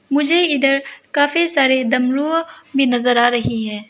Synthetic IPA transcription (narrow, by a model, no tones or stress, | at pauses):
mʊd͡ʒʱeɪd̪əɾkaːfisaːɾed̪ɐmɾuːɦbʱinɐzəɾaːɾɐɦiɦɛ̃ː